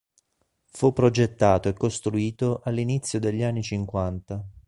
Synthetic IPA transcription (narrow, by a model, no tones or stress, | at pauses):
fupːɾod͡ʒet̪ːaːt̪oekːost̪ɾuiːt̪oʔalːinit̪sːjod̪eʎːianːit͡ʃiŋkwant̪a